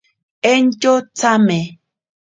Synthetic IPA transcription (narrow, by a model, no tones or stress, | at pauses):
ent͡ʃot͡same